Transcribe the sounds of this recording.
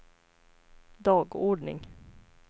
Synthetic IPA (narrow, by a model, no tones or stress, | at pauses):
d̪ɑːɡɔɖɳɪ̰ŋ